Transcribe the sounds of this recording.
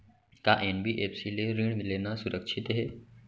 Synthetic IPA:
kaʔenbiːʔefsileɾiːɳ̃milenasuɾʔəkʂʰit̪ɦe

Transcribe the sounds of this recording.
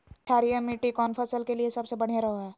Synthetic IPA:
ʈʰaːɾijəmːiːʈikɔːnfʰəsəlkeliesɐbsebɐɽ̤ijaɾɐɦoɛː

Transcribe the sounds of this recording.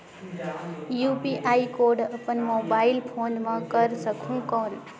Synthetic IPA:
jupiʔajkoɖəpənmobailpʰonmãkəɾsəkʰũkɔn

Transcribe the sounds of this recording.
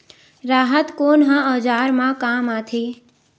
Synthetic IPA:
ɾaːɦət̪koːnɦãɔːd͡ʒaːɾmãkaːmat̪ʰeː

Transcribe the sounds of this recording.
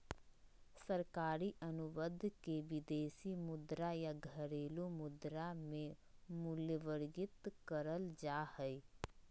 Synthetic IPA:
səɾkaːɾiʔənʊʋəd̪ʱkeʋɪd̪eːsimʊd̪ɾajaɡʱəɾeːlumʊd̪ɾamẽmʊljəʋəɾɡɪt̪kəɾəld͡ʒaːhɛi

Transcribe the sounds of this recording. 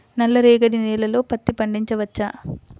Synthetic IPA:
nɐlːɐɾeːɡɐɽinɛːlɐlo̞ːpɐt̪ːipɐɳɖiɲt͡ʃɐʋɐt͡ʃːaː

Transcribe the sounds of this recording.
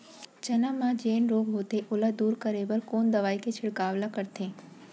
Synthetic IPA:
t͡ʃɐnãmãd͡ʒeːnɾoːɡɦoːt̪eʔʊlad̪uːɾkəɾeːbəɾkoːnd̪ɐʋaːiket͡ʃʰɪɽkaːʋlakəɾt̪ʰẽː

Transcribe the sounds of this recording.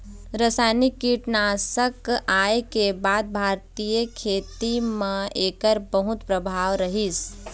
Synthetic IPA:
ɾəsaːjnikːiʈnasəkaːekebaːd̪̚bʱaːɾt̪ijəkʰeːt̪imẽeːkəɾbəɦʊt̪pɾəbʱaːʋɾəɦis

